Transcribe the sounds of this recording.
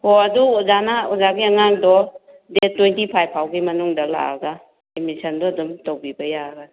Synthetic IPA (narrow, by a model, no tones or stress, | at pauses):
hɔɐduɔzanaɔzaɡiɐŋak̚dɔ | detːwejntipʰajpʰawɡimɐnuŋdɐla̰a̰ɡa | emisɐndɔdumtowbibɐjaɡa